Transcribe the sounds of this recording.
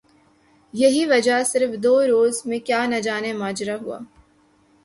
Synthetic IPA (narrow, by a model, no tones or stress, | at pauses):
jɐɦiʋɐd͡ʒasɪɾfd̪oːɾoːzmẽkjaːnɐd͡ʒaːnemaːd͡ʒɾaɦua̰ː